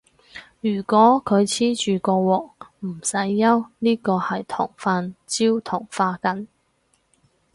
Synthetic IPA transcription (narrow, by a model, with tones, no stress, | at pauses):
jyː˨˩kʷɔː˨˥kʰɵ˨˧ɥt͡sʰiː˥t͡ʃyː˨˩kɔː˧wɔː˨k̚m̩˨˩sɐ˨˥jːɐ˥wniː˥kɔː˧hɐ˨jt̪ʰʊ̰˨˩ŋfaː˧nt͡siː˥wt̪ʰʊ˨˩ŋfaː˧kɐ˧˥n